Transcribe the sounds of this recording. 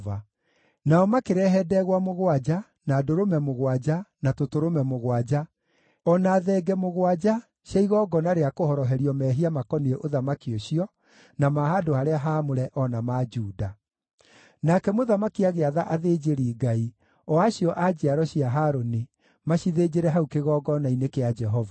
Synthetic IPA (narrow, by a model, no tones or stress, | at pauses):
va | naɔmakeɾɛɦɛdɛɣwamoɣwad͡ʒa | nadoɾomɛmoɣwad͡ʒanatotoɾomɛmoɣwad͡ʑa | ɔnaːðɛːɡɛmoɣwad͡ʒa | ɕjaiɣɔɡɔnaɾeakohɔɾɔɦɛɾiɔmɛɦiamakɔnieʔoðamakioɕiɔ | namaɦaːdoaɾeaɦamoɾɛʔɔnamad͡ʒuːda | nakɛmoðamakiaɣeaðaʔaðeːd͡ʒeɾiːɡai | ɔaɕiɔʔad͡ʒiaɾɔɕiaɦaɾoni | maɕiðed͡ʒeɾɛɦaukeɣɔɡɔnainekead͡ʒɛɦɔva